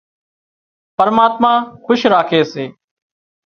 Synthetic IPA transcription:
pəɾmaːt̪mãːxʊʃɾaːkʰeːseː

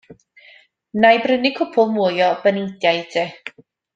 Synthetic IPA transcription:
najbrɪnɪkʰʊpʰʊlˠmujɔb̥ənɪŋdjajdʰɛ

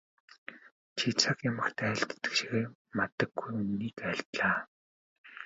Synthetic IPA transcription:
t͡ɕʰit͡sʰakjamə̆xt̪ʰæːɬt̪ːə̥̆kʃiɣemat̪ə̆ɡːujunːiːkæɬt̪ɮaː

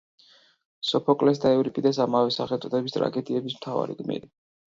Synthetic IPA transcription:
sɔpʰɔkʼlɛs̬d̪aɛvɾikʼid̪ɛsamavɛsaχɛlt̪sʼɔt̪ʰɛbist̪ʼɾa̰ɡɛd̪iɛbismt̪ʰava̰ɾḭɡmḭɾi

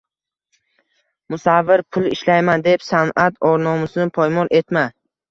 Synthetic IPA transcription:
mʊsavːɪɾpʰʊlˠɪʃlajmand̪e̞psanat̪ʰɒɾnɒmɪsɪnɪpʰɒjmɒlʔe̞t̪ma

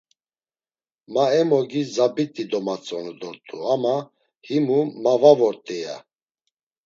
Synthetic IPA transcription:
maɛmɔɡizabit̪ʼid̪ɔmat͡sʼɔnɛd̪ɔɾt̪ʼuama | himumavavɔɾt̪ʼɛja̰

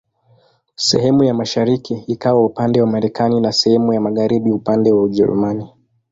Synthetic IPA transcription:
sɛ̰hɛmujamaʃaɾikiːkawaupandɛwamaɾɛkaninasɛhɛmujamaɠaɾiɓiupandɛwauʄɛ̰ɾṵmani

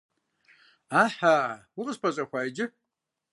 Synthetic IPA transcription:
aːħaːwʊqʼəzpʰɐɕʼɐxʷaːjd͡ʒɪ

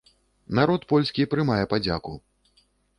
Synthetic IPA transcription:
naɾɔt̪pɔlʲsʲkʲipɾɨmajɛpad͡zʲaku

